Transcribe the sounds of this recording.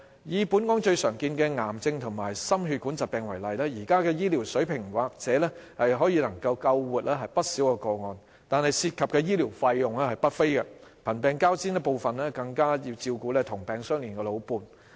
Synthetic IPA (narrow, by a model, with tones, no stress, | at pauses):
jiː˨puː˨˥nkɔː˨˥ŋt͡ʃɵ˧ɥsœː˨˩ŋkiː˧nkɛː˧ŋaː˨˩mt͡sɪ˧ŋt̪ʰʊ˨˩ŋmaː˨˩jsɐ˥mɦyː˧t̚ku˨˥nt͡sa˨t̚pɛː˨ŋwɐ˨˩jlɐ˨jlɛː˥jiː˨˩kaː˥kɛː˧jiː˥liː˨˩wsɵ˨˥ɥpʰɪ˨˩ŋwaː˨k̚t͡sɛː˨˥lɛː˥hɐ˨jɦɔː˨˥jiː˧lɐ˨˩ŋkɐ˧wkɐ˧wwuː˨t̚lɛː˥ɦɐ˨jpɐ˥t̚si˨˥wkɛː˧kɔː˧ŋɔː˨˧n | t̪aː˨nhɐ˨jsiː˧t̚kʰɐ˨p̚kɛː˧jiː˥li˨˩wfaː˧jjʊ˨ŋlɛː˥hɐ˨jpɐ˥t̚fe˥jkɛ˧pʰɐ˨˩npɛː˨˧ŋkaː˥wsiː˥nɛ˧po˨˧wfɐ˨nlɛː˥kɐ˧ŋkaː˥jiː˧wt͡siː˧wkuː˨˥lɛː˥t̪ʰʊ˨˩ŋpɛː˨ŋsœː˥ŋliː˨nkɛ˧lo˨˧wpuː˨˧n